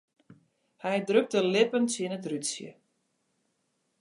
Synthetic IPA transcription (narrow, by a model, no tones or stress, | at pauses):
hɛjdrøk̚təlɪpənsiənətrytsjə̰